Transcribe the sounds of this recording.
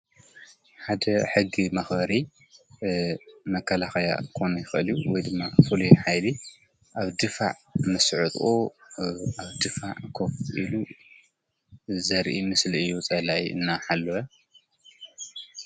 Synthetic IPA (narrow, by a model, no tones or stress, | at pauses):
ħad̪ɐħɨɡimɐxbɐɾi | mɐkʰːɐlaxɐja̰kʰo̞nujɪxʔɨljuwɔjd̪ɨmːafɨlujħajli | ʔaβd̪ɨfa̰ʕmɐsʕɨt̪ʼo | aβd̪ɨfaʕkʰofʔilu | zɐɾʔimɨslɨjːut͡sʼɐlajɨ̰nːaħalːoɐ